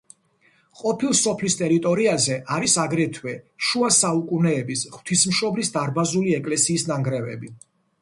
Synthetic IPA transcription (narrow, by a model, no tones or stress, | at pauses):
qʼɔpʰilˠsɔpʰlist̪ʼɛɾit̪ʼɔɾiazɛʔaɾisaɡɾɛt̪ʰwɛʃuasaukʼunɛːbisʁw̥t̪ʰismʃɔblisd̪aɾbazuliɛkʼlɛsiːsnaŋɡɾɛvɛ̰bi